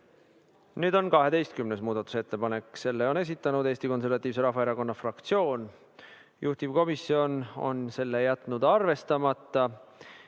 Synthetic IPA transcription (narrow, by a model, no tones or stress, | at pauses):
nyːd̪̥o̞nkɑɦe̞d̪e̞jst̪̚kymnesmuːd̪ɑt̪ːˑu̥se̞t̪ːe̞pɑne̞kːse̞lːeo̞ne̞s̬it̪ˑːɑnud̪eːst̪iko̞ns̬e̞rvɑt̪ːˑiːvs̬e̞ɾɑhvɑeɾɑko̞nːɑfrɑkt̪sio̞ːn | jʔuht̪ivko̞misːio̞no̞̰nse̞lːejæt̪ˑnud̪̥ɑrve̞st̪ɑmɑt̪ːˑɑ